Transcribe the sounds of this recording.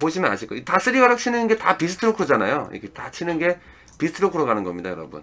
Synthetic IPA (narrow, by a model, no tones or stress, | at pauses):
poɕʰimʌna̰ɕʰik͈oitas͈ʰɯɾiɡaɾak̚t͡ɕʰinɯnnɡe̞tapisʰɯ̥tʰɯɾokʰɯɾd͡ʑanajoḭkʰetat͡ɕʰinɯnɡe̞ | pisʰɯ̥tʰɯɾokʰɯɾʌɡanɯnɡʌmɲida̰jʌɾʌ̰bṵn